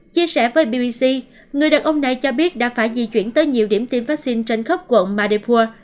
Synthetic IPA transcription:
t͡ɕi˧əsɛ˧˩vəː˨˦jɓi˧ɓi˧si˧ | ŋɨ˨˩əjɗaː˨˩ŋʔə˧wŋ͡mna˨˩jt͡ɕɔ˧ɓi˦˥ət̚ɗa̰ː˧˥faː˧˩jzḭ˨˩t͡ɕwḭ˧˩ənt̪əː˨˦jɲi˨˩əwɗi˧˩əmt̪i˧mfa˦˥k̚si˧nt͡ɕe˧nxə˦˥wk͡p̚kwə̰˧˨nmaː˧ɗe˧pʰu˧ə

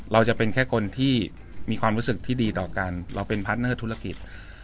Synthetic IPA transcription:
ɾa˧wt͡ɕa˨˩pe˧nkʰɛː˥˩kʰo˧nt̪ʰiː˥˩ | miː˧kʰwaː˧mɾu˦˥sɯ˨˩k̚t̪ʰiː˥˩diː˧t̪ɔː˨˩ka˧nɾa˧wpe˧npʰa˦˥t̪̚nɤː˥˩t̪ʰu˦˥la˧ki˨˩t̪̚

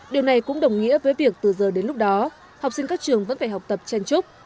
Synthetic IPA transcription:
ɗi˨˩əwna˨˩jkʊ̰˧˥ŋ͡mɗə˨˩wŋ͡mŋḭ˧˥əvəː˨˦jvi˨˩ək̚t̪ɨ˨˩zəː˨˩ɗe˨˦nlʊ˦˥k͡p̚ɗɔ˨˦ | ha˨˩wk͡p̚si˧ŋ̟kaː˦˥k̚t͡ɕɨ˨˩əŋvə̰˧˥nfaː˧˩jɦa˨˩wk͡p̚t̪ə˨˩p̚t͡ɕɛ˧nt͡ɕʊ˦˥k͡p̚

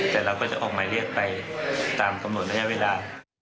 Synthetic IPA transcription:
t̪ɛː˨˩ɾaː˧wkɔː˥˩t͡ɕa˨˩ʔɔː˨˩k̚maː˧ɾi˥˩ək̚pa˧jt̪aː˧mka˧mno˨˩t̪̚ɾa˧ja˥weː˧laː˧

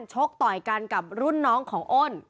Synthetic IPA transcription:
nt͡ɕʰo˦˥k̚t̪ɔː˨˩jka˧nka˨˩p̚ɾu˥˩nːɔː˦˥ŋkʰɔː˩˦ŋʔo˥˩n

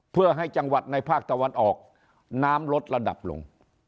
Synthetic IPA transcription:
pʰɯ˥˩ɐɦa˥˩jt͡ɕa˧ŋwa˨˩t̪̚na˧jpʰaː˥˩k̚t̪a˧wa˧nʔɔː˨˩k̚ | naː˦˥mlo˦˥t̪̚la˧da̰˨˩p̚lo̰˧ŋ

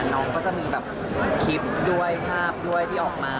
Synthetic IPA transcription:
nɔː˦˥ŋkɔː˥˩t͡ɕa˧˥˩miː˧bɛː˨˩p̚ | kʰi˦˥p̚du˥˩əjpʰaː˥˩p̚du˥˩əjt̪ʰiː˥˩ʔɔː˨˩k̚maː˧

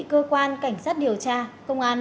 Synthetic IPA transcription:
kəː˧kwaː˧nka˧˩jŋ̟saː˦˥t̚ɗi˨˩əwt͡ɕaː˧kə˧wŋ͡mʔaː˧n

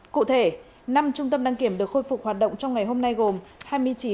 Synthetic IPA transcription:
kṵ˧˨t̪ʰe˧˩ | na˧mt͡ɕʊ˧ŋ͡mt̪ə˧mɗaː˧ŋki˧˩əmɗɨ˨˩əkxo˧jfʊ˨˩k͡p̚hwːt̚ɗə̰˧˨wŋ͡mt͡ɕɔ˧wŋ͡mŋa˨˩jɦo˧mna˧jɣo˨˩mhaː˧jmɨ˧əjt͡ɕi˨˦

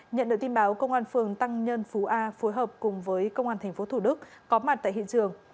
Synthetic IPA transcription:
ɲə̰˧˨nɗɨ̰˧˨˩kt̪i˧nɓaː˨˦wkə˧wŋ͡mʔaː˧nfɨ˨˩əŋt̪a˧ŋɲə˧nfu˨˦ʔaː˧fo˨˦jɦəː˨˩p̚kʊ˨˩ŋ͡mvəː˨˦jkə˧wŋ͡mʔaː˧nt̪ʰɛ˨˩ŋ̟fo˨˦t̪ʰu˧˩ɗɨ˦˥k̚ːɔ˨˦ma˨˩t̚t̪a̰ː˧˨hḭ˧˨t͡ɕɨ˨˩əŋ

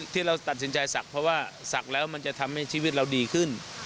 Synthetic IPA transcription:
t̪ʰiː˥˩ɾa˧wt̪a˨˩t̪̚si˩˦nt͡ɕa˧jsa˨˩k̚pʰɾɔ˦˥waː˥˩sa˨˩k̚lɛː˦˥wma˧nt͡ɕa˨˩t̪ʰa˧mha˥˩jt͡ɕʰi˥˩wi˦˥t̪̚ɾa˧wdiː˧kʰɯ˥˩n

